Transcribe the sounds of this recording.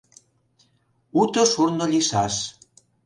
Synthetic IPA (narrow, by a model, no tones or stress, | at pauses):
ut̪oʃurnolʲiʃɑʃ